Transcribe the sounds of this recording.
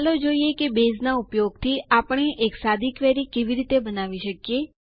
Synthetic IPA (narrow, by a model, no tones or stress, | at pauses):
lod͡ʒoijekebeznaʊpjoɡ̚t̪ʰiapəɳ̃eʔeksad̪ʱikʋɛɾikeʋiɾit̪ebənaʋiʃəkije